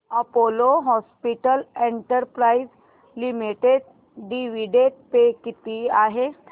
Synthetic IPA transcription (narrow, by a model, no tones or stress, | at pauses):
əpoloɦɔspiʈəleɳʈəɾpɾaiz | limiʈeɖ̚ | ɖiʋiɖeɖ̚pekit̪iaɦe